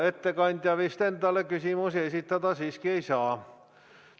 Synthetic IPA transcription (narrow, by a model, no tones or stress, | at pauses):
et̪ːekɑnʲt̪ʲjɑʋist̪ent̪ɑlːekysimusesit̪ːɑt̪ɑsiːskieisɑː